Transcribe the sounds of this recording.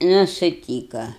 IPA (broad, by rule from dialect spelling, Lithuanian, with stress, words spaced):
ˈnʊ sʊˈtʲiːkɐ